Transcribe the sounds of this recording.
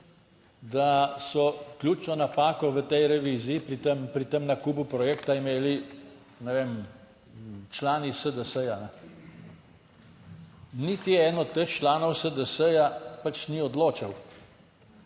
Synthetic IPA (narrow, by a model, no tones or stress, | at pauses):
d̪asɔklʲuːt͡ʃnɔnapaːkɔʋət̪ɛjɾɛʋiːzijipɾit̪empɾit̪əmnakuːbupɾɔjɛːkt̪aimeːli | nɛʋeːm | t͡ʃlaːnisəd̪əsəjanɛ | nit̪iɛːnɔt̪əxt͡ʃlaːnɔwsəd̪əsəjapat͡ʃniɔd̪loːt͡ʃaw